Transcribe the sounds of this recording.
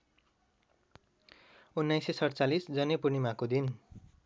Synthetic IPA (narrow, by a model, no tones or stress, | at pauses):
unːajsesʌɽt͡salisd͡zʌnepurnimakod̪in